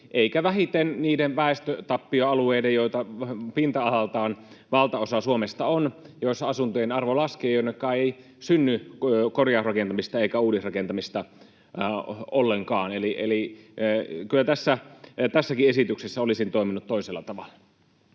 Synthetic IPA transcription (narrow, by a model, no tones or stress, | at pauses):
ʔeikæʋæɦit̪enniːdenʋæˑest̪øt̪ɑpːioɑlueidejjoit̪ɑpint̪ɑɑhɑlt̪ɑːn | ʋɑlt̪ɑosɑsuomest̪ɑonjosɑsunt̪ojenɑrʋolɑskeːjonːekːɑːei | synːykorjɑsrɑkent̪ɑmist̪ɑeikæuːdisrɑkent̪ɑmist̪ɑ | olːeŋkɑːneliʔḛli | kylːæt̪æsːæt̪æsːækiesit̪yksesːæolisint̪oˑiminut̪t̪ːoiselːɑt̪ɑʋɑlːɑ̥